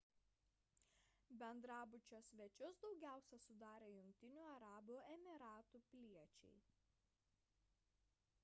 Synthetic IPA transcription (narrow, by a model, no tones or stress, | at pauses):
bʲɛnd̪ɾɑːbʊt͡ʃʲoːsʲʋʲɛt͡ʃʲʊsd̪ɒʊɡʲæˑʊsʲɛsʊd̪ɑːɾʲeːjʊŋʲk̚ʲt̪ʲɪnʲuːɐɾɑːbuːɛmʲɪɾɑːt̪uːpʲlʲiɛt͡ʃʲɛ̰ɪ